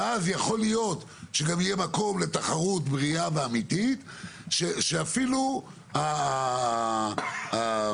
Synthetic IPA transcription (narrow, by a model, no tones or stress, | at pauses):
azjaχo̞lijo̞t̪ | ʃeɡamijemako̞mle̞t̪aχaʁut̪bʁiaveamitit̪ | ʃeʃeafilu | ha | a